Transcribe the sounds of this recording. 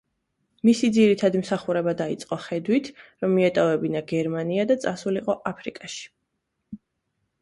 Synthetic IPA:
misid̪ziɾit̪ʰad̪imsaχuɾɛbad̪ait̪sʼqʼɔχɛd̪wit̪ʰɾɔmːiɛt̪ʼɔvɛbinaɡɛɾmaniad̪at̪sʼasuliqʼɔʔapʰɾikʼaʃi̥

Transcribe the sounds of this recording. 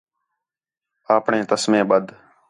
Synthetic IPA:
aːpɳẽːt̪əsmẽːɓəd̪ʱ

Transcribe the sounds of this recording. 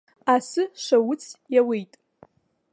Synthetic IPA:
asɨʂʷawʊt͡sʰjawejtʼ

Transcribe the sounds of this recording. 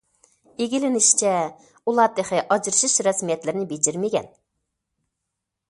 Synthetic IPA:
eɡʲilɪnɪʃt͡ʃʰɛ | ulˠɑd̪eqʰɪʔɑd͡ʒɾɨʃiʃɾɛsmijɛt̪lɪɾɪnɪbed͡ʒiɾmɪɡʲɛ̰n

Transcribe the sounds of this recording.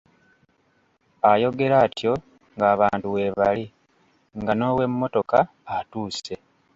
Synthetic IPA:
ajo̞ɡe̞ɾaːtjo̞ | ŋɡaːβaːntuwe̞ːβali | ŋɡano̞ːwe̞mːo̞to̞kaː | tuːse̞

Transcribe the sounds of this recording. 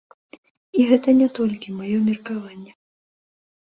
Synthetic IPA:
iɣɛt̪ɐnʲɛt̪ɔlʲkʲimajɔmʲirkavanʲːɛ

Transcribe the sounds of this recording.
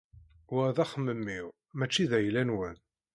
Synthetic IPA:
wəðæχəmːəmːiʁ | mæt͡ʃːiðæjlænwən

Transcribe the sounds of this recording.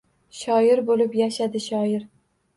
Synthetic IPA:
ʃɒjɪɾbolɪpjaʃad̪ɪʃɒjɪɾ

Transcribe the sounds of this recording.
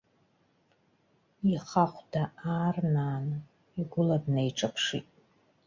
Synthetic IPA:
iχaχʷdaaːrnaːnɨ | iɡʷʊladnejʈ͡ʂʼapʰʂḭtʼ

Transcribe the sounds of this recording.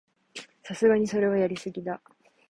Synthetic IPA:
sasɨɡaɲ̟iso̞ɾe̞β̞ajaɾʲisɨɡʲid̪a

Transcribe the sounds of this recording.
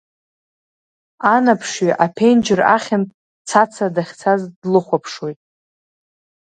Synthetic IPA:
anapʰʂɥiʔapʰe̞jnd͡ʒɪra̰χʲɪnpʼ | t͡sʰat͡sʰadaχʲt͡sʰazdlɨχʷapʰʂwo̞jtʼ

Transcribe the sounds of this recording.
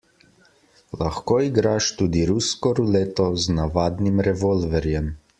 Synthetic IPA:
laxkoiɡɾaːʃt̪uːd̪iɾuskɔɾuleːt̪ɔznaʋaːd̪nimɾɛʋɔlvɛɾjɛm

